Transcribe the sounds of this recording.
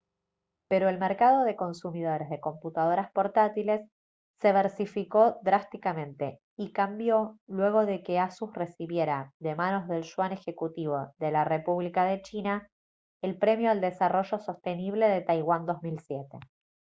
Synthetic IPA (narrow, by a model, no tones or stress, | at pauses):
pe̞ɾo̞elmeɾkað̞o̞ðe̞ko̞nsumið̞o̞ɾezðe̞ko̞mput̪að̞o̞ɾaspo̞ɾt̪at̪ile̞sː | e̞β̞eɾsifiko̞ðɾast̪ikamẽ̞nt̪e̞ | ikambjo̞lwe̞ɣ̞o̞ðe̞ke̞asusre̞siβje̞ɾaðe̞mano̞zðe̞lʃwane̞xe̞kut̪iβ̞o̞ðe̞larepuβlikað̞e̞t͡ʃina | elpɾe̞mjoald̪e̞saro̞ʒo̞so̞st̪e̞niβle̞ðe̞t̪ajɣwand̪o̞zmilsjet̪e̞